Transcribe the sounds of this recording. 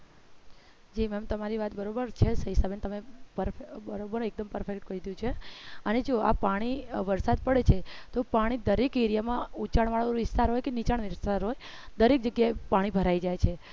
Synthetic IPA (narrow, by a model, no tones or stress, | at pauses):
d͡ʒimɛmt̪əmaɾiʋat̪bəɾobəɾt͡ʃʰesəɦisabent̪əmepəɾfebəɾobəɾek̚d̪əmpəɾfʰekʈkəid̪jũt͡ʃʰeəned͡ʒoa̰paɽ̃iʋəɾsad̪pəɽet͡ʃʰet̪opaɽ̃id̪əɾekiɾjamãut͡ʃaɳʋaɭoʋɪst̪aɾɦojkenit͡ʃaɳʋɪst̪aɾɦoj | d̪əɾek̚d͡ʒəɡjaepaɽ̃ibʱəɾaid͡ʒajt͡ʃʰe